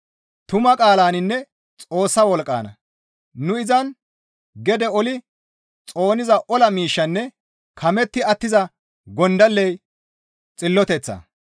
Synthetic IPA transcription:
t̪ʊmɐkʼaːlaːnɪnːɛ | t͡sʼo̞ːsːɐwɔlkʼːa̰ːnɐ̰ | nʊɪzɐn | ɡɛd̪ɛɔlɪ | t͡sʼo̞ːnɪzɐʔɔlɐmiːʃːɐnːɛ | kʰɐmɛt̪ːɪɐt̪ːɪzɐ | ɡɔnd̪ɐlːɛj | t͡sʼɪlːɔt̪ɛt͡sːɐ̰

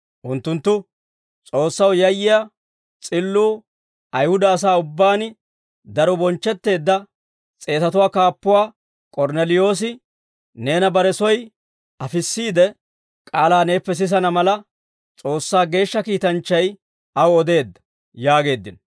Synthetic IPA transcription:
ʔʊnt̪ːʊnt̪ːʊ | t͡sʼo̞ːsːɐwjɐjːɪjɐ | t͡sʼɪlːuː | ɐjhʊd̪ɐːs̬aːʊbːaːnɪ | d̪ɐɾɔbɔnt͡ʃːɛt̪ːe̞ːd̪ːɐ | t͡sʼe̞ːt̪ɐt̪ʊwaːkaːpːʊwaː | kʼɔɾnɛlɪjo̞ːs̬ɪ | ne̞ːnɐbɐɾɛsɔj | ɐfɪsːiːd̪ɛ | kʼaːlaːne̞ːpːɛs̬ɪs̬ɐnɐmɐlɐ | t͡sʼo̞ːsːaːɡe̞ːʃːɐkiːt̪ɐnt͡ʃːɐj | ɐwɔd̪e̞ːd̪ːɐ̥ | jaːɡe̞ːd̪ːɪn

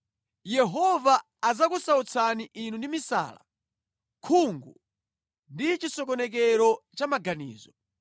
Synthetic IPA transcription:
jɛɦɔvaː | zakusaut͡sʰaniʔinundimisa̰la̰ | kʰuŋɡu | ndit͡ʃisɔk̬ɔnɛk̬ɛɾɔt͡ʃamaɡanḭːzɔ

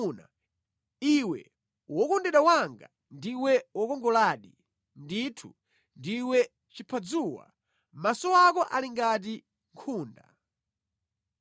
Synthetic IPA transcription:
na̰ | iwɛ̰ | wɔkɔndɛɗawaŋɡa̰ | ndiwɛwɔkɔŋɡɔlaɗi | nditʰṵ | ndiwɛ | t͡ʃipʰad͡zuwa̰ | masɔwakɔʔaliŋɡat̬i | ŋkʰuːnda̰

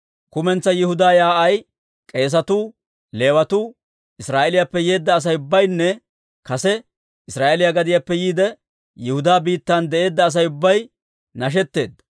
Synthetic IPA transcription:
kʊmɛnt͡sːɐjɪhʊd̪aːjaːʔɐj | kʼe̞ːs̬ɐt̪uː | le̞ːwɐt̪uː | ɪsɾaːʔɛlɪjapːɛje̞ːd̪ːɐːs̬ɐjʊbːɐjnːɛ | kɐsɛ | ɪsɾaːʔɛlɪjaɡɐd̪ɪjaːpːɛjiːd̪ɛ | jɪhʊd̪aːbiːt̪ːand̪ɛʔe̞ːd̪ːɐːs̬ɐjʊbːɐj | nɐʃ̬ɛt̪ːe̞ːd̪ːɐ

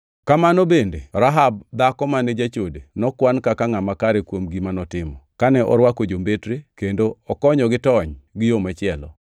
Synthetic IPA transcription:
kamanobenderaɦab̚d̪akɔmaned͡ʒat͡ʃodenɔkwankakaŋamakaɾekwomɡimanɔtɪmɔkanɛʔɔ̰ɾwakod͡ʒombetɾekendoɔkɔɲɔɡɪtɔɲɡɪjomat͡ʃɪɛlɔ̰

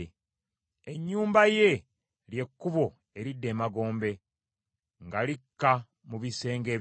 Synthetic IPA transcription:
eɲːuːmbaje̞ | lje̞kːuβo̞ | e̞ɾidːe̞ːmaɡo̞ːmbe̞ | ŋɡalikːa | muβise̞ːŋɡe̞ː

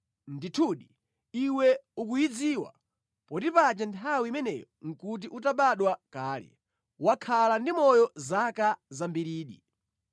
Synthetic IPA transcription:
nditʰuɗi | iwɛuk̬ujid͡ziːwa̰ | pɔtipat͡ʃɛntʰawimɛnɛ̰jɔŋ̩kut̬iʔutaɓaɗwakaːlɛ̰ | wakʰalandimɔjɔzakazambiɾiːɗi

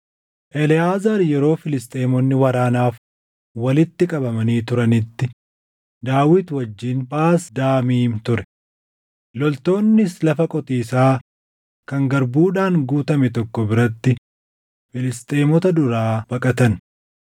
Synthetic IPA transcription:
ʔɛlɪaːzɐɾjɛɾo̞ːfɪlɪst̪ʼeːmɔnːɪwɐɾaːnaːf | wɐlɪt̪ːɪkʼɐbɐmɐniːt̪ʊɾɐnɪt̪ːɪ | d̪aːwɪt̪wɐd͡ʒːiːnpaːsd̪aːmiːmt̪ʊɾɛ | lɔlt̪o̞ːnːɪslɐfɐkʼɔt̪iːsaː | kɐŋɡɐɾbuːᶑaːŋɡuːt̪ɐmɛt̪ɔkːɔbɪɾɐt̪ːɪ | fɪlɪst̪ʼeːmɔt̪ɐd̪ʊɾaːb̥ɐkʼɐt̪ɐn

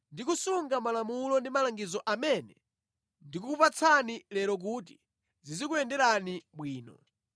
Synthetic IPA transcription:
ndikusuŋɡamalamulɔndimalaŋɡizɔʔamɛnɛ | ndik̬uupat͡sʰanilɛɾɔk̬uːti̥ | zizikuɛndɛɾaniɓwiːnɔ̰

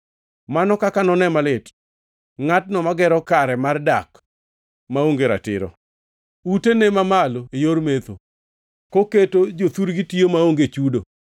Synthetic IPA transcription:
manɔkakanɔnɛmalɪt | ŋat̚nɔmaɡɛɾɔkaɾɛmardak | maoŋɡeɾa̰tɪ̰ɾɔ̰ | utenemamaloejormet̪o̰ | koketod͡ʒot̪uɾɡitiomaoŋɡet͡ʃudo

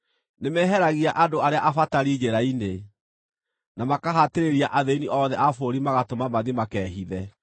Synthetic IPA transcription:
nemɛɦɛɾaɣiaʔadoaɾeaʔafataɾid͡ʑeɾaine | namakaɦateɾeɾiaʔaðeiniʔɔðɛʔafoɾimaɣatomamaðimakɛːɦiðɛ

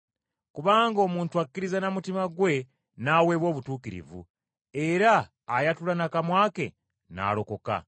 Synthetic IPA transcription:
kuβaːŋɡo̞muːntuakkːiɾizanamutimaɡwe̞ | naːwe̞ːβwo̞ːβutuːkiɾḭvṵ | e̞ɾaː | jatulanakamwaːke̞̰ | na̰ːlo̞ko̞ka̰

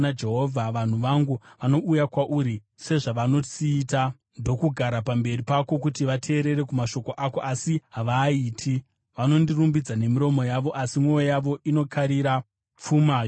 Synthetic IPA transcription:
nad͡ʒe̞ɦo̞vʱaʋan̤uʋaŋɡuʋano̞ʔujakwaʔuɾi | se̞ʐaʋano̞t͡siːta | ndo̞kuɡʱaɾapambe̞ripako̞k̬utiʋatʰe̞ːɾe̞ɾe̞kumaʃo̞ko̞ʔako̞ʔasiɦaʋaiːtʰi | ʋano̞ndirumbid͡zane̞miɾo̞mo̞jaʋo̞ʔasimwo̞jojaʋo̞ʔino̞kʰaɾiɾa | p͡fumaːj

